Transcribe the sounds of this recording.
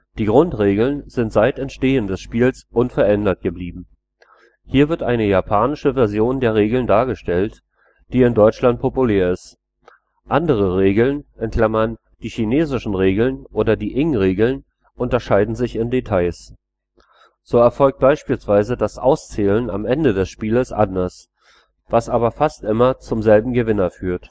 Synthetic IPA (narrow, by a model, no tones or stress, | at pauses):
d̥iːɡʁʊntʁeːɡl̩nz̥ɪntz̥aɪtɛntʃteːəndɛsʃpiːlsʔʊnfɛɐɛndɐt̚ɡ̥əbliːbm̩ | hiːɐvɪɐtʔa̰ɪnəjapʰaːnɪʃəvɛɐzjoːndeːɐʁ̞eːɡl̩ndaːɐɡəʃtɛlt | d̥iːɪndɔʏt͡ʃlant̚pʰopuleːɐɪst | ʔandəʁ̞əʁeːɡl̩nʔɛnkʰl̥amɐn | d̥iːçineːzɪʃn̩ʁeːɡl̩nʔoːɾɐdiːʔɪŋʁeːɡl̩n | ʔʊntɐʃaɪdn̩zɪçɪndetʰaɪs | z̥oːɛɐfɔlk̚t̚b̥aɪʃpiːlsv̥aɪzədasʔa̰ʊst͡sɛːləna̰mʔɛndədɛsʃpiːləsʔa̰ndɐs | vasʔaːbɐfastʔɪmɐt͡sʊmzɛlbm̩ɡəvɪnɐfyːɐt